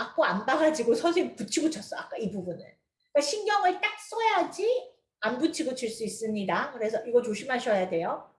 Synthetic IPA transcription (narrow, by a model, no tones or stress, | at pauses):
ak̚k͈oanbaɡad͡ʑiɡosʰʌsʰekput͡ɕʰiɡut͡ɕʰʌs͈ʌak͈aibubunɯ̰n | k͈aɕʰinɡjʌŋɯɭt͈ak̚s͈ʌjad͡ʑi | ambut͡ɕʰiɡut͡ɕʰiɭs͈uis͈ɯɲidakɯɾe̞sʰʌʔiɡʌt͡ɕoɕʰimɦaɕʰʌjadwe̞jo